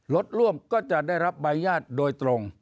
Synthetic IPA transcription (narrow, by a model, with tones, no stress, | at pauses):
lo˦˥t̪̚ɾu˥˩əmkɔː˥˩t͡ɕa˨˩ʔdaː˥˩jɾa˦˥p̚baː˧njaː˥˩t̪̚doː˧jt̪ɾo˧ŋ